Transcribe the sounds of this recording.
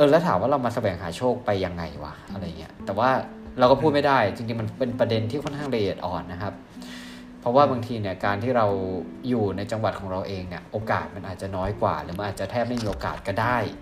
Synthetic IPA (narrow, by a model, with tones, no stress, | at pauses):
ʔɤː˧lɛ˦˥t̪ʰaː˩˦mwaː˥˩ɾa˧wmaː˧sa˧wɛː˩˦ŋɦaː˩˦t͡ɕʰoː˥˩k̚pa˧jːa˧ŋːa˧jwa̰˨˦˩ʔa˧ɾa˧jːa˨˩ŋi˦˥t̪ɛː˨˩waː˥˩ | ɾa˧wkɔː˥˩pʰuː˥˩ma˥˩jdaː˥˩jt͡ɕi˧ŋt͡ɕi˧ŋma˧npe˧npɾa˧de˧nt̪ʰiː˥˩kʰɔ˥˩nkʰaː˥˩ŋle˧ji˨˩t̪̚ʔɔː˨˩nːa˦˥kʰa˦˥p̚ʰ | ɾɔ˦˥waː˥˩ba˧ŋt̪ʰiː˧ni˥˩ɐkaː˧nt̪ʰiː˥˩ɾa˧w | juː˨˩na˧jt͡ɕa˧ŋwa˨˩t̪̚kʰɔː˩˦ŋɾa˧wʔeː˧ŋni˧˥˩ɐʔoː˧kaː˨˩t̪̚ma˧nʔaː˨˩t̪̚t͡ɕa˨˩nɔː˦˥jkwa̰ː˨˩ɾɯː˩˦ma˧ʔaː˨˩t̪̚t͡ɕa˨˩t̪ʰɛː˥˩p̚ma˥˩jmiː˧ʔoː˧ka̰ː˨˩t̪̚kɔː˥˩daː˥˩j